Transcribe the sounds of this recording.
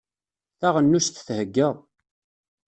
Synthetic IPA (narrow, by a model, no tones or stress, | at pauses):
θaʁənːusθθhəɡːəðˤ